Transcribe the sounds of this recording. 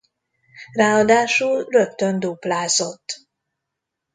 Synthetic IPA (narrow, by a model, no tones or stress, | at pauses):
raːɒd̪aːʃulrø̞k̚t̪ønd̪uplaːzo̞t̪ː